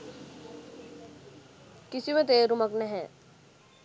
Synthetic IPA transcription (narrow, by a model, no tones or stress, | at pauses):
kɪsimẽt̪eːɾʊməknɛɦɛ̃